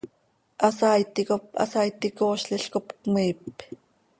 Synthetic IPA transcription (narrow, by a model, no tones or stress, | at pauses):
ʔɑsaːjt̪ikopɑ̰sajt̪ikoːʃɬiɬkopkmiːp